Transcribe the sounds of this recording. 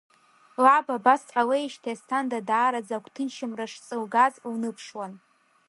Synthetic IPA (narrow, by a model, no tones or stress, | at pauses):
lababasʼalejʃtʰajstʰandadaːɾad͡zakʷʰʼtʰɨnʃʰɪmraʂt͡sʼɨlɡazwnɨpʰʂwan